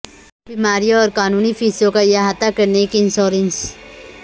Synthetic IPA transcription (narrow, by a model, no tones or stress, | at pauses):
biːmaːɾijõɔːɾkaːnuːnifiːsõkajaɦaːt̪akɐɾnekiɪnsoːɾə̃ns